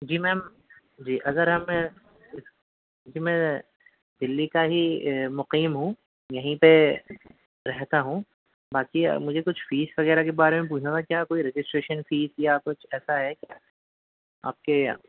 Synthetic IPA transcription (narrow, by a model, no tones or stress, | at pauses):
d͡ʒiːmɛ̃ːm | d͡ʒiːʔɐɡəɾɦɐm̃ | ɪ | d͡ʒimɛ̃ː | d̪ɪlːikaɦimʊqiːmɦũ | jɐɦĩpe | ɾɛɦt̪aɦũ | baːkḭmʊd͡ʒʱekʊt͡ʃʰfiːsʋɐɣɛːɾakebaːɾemẽp̬uːt͡ʃʰãɡ̪akjaːkoːiɾed͡ʒɪsʈɾeːʃənfiːsjakʊt͡ʃʰɛːsaɦɛk | a̰ːp̚ke